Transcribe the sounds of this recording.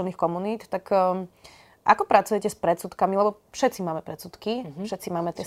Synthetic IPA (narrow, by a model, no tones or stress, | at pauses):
ɛlnixkɔmuniːt̪t̪akː | ʔa̰kɔpɾatt͡sujɛcɛspɾɛt̪t͡sut̪kamilɛbɔ | fʃɛt̪t͡simaːmɛpɾɛt̪t͡sut̪kifʃɛt̪t͡simaːmɛt̪ɪɛ